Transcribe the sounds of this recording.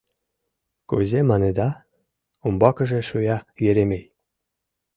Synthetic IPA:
kṵzemɑned̪ɑ | umbɑkə̆ʒĕʃujɑjeɾemej

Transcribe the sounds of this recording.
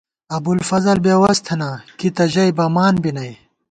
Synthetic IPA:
ɐbulfɐzɐlbeːwɐst̪ʰɐnakit̪ɐʑɐjbɐmaːnbinɐj

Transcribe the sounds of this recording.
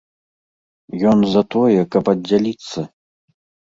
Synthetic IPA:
jɔnzɐt̪ɔjɛkɐpɐdʲːalʲit̪sːɐ

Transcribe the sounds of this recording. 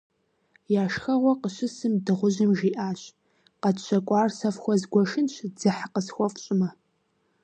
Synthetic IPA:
jaːʃxɐʁʷɔqəɕɪsɨmdɨʁʷʊʑɪmʒiːʔaːɕ | qɐtɕʰɐkʷʼɑːrsɐfxʷɔzɡʷɔʃɨnɕd͡zɨħqəsxʷɔfʼɕʼɪmɐ

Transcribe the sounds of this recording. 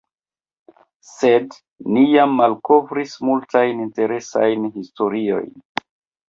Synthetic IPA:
se̞d | nijamːalko̞vɾismultajninte̞ɾe̞sa̰jnɦisto̞ɾio̞̰jn

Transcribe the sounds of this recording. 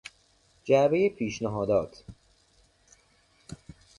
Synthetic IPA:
d͡ʒæbejepʰiːʃnæɦɒːd̪ɒːt̪ʰ

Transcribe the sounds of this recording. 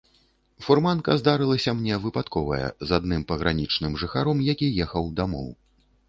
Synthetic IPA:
furmankɐzd̪aɾɨlˠɐsʲɐmnʲɛvɨpat̪kɔvɐjɐ̰zad̪nɨmpɐɣɾanʲit͡ʂnɨmʐɨxaɾɔmjakʲijɛxɐwd̪amɔ̰w

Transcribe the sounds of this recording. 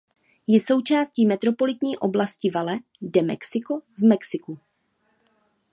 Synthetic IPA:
jɛso̞wt͡ʃaːsciːmɛt̪ɾo̞po̞lɪt̪ɲiːʔo̞blascɪvalɛ | dɛmɛ̰ksɪkovmɛksɪku

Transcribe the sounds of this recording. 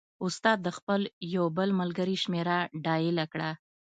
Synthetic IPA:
ʊst̪ɑd̪̚ːəxpəljawbəlmalɡəɾiʃmeɾaɖɑjɪlakɽa

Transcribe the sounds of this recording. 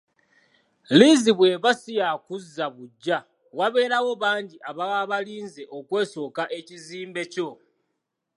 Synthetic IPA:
liziβwe̞βasijakuzːaβuɟːa | waβe̞ːɾawo̞βaːɲɟiʔaβaaβaliːnze̞ʔo̞kwe̞ːso̞ːkaʔe̞ciziːmbe̞co̞

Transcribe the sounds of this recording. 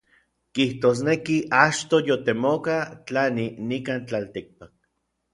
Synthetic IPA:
kiht̪oːs̬nekiʔat͡ʃt̪ojot̪emokat͡ɬaninikant͡ɬalt̪ik̚pak̚

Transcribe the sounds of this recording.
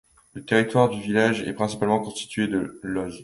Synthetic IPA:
lət̪eʁit̪waʁd̪yvilaʒɛ̰pχɛ̃si̥palmɑ̃kɔ̃st̪i̥t̪ʰɥed̪əlɔʒ

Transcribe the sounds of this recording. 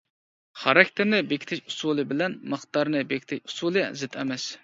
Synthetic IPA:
χɑɾɑkʲt̪ʰɪɾnɪbekʲi̥t̪ʰɪʃu̥sulˠɨbɪlɛnmɨχt̪ɑɾnɨbekʲi̥t̪ʰɪʃu̥sulˠɨ̰zɨt̪ʰɛ̰mɛs

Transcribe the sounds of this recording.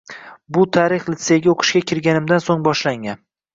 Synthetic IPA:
bʊt̪ʰaɾɪχlɪt̪seɡʲaoqʰɨ̥ʃkʲakʲʰɪɾɡʲanɪmd̪ansoŋbɒʃlaŋʲan

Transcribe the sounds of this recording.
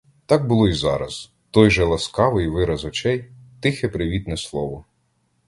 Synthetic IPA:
t̪ɑɡ̚bʊlˠɔizɑ̰ɾɐ̰z̥ | t̪ɔjʒɛlˠɐskɑʋɪjʋɪɾɐzɔt͡ʃɛjt̪ɪxɛpɾɪʋʲit̪nɛslˠɔʋɔ

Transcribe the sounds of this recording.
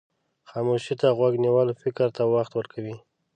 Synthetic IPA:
xɑmoʃit̪aɣwaɡniwalofɪkɾt̪awaxt̪wəɾkʰawi

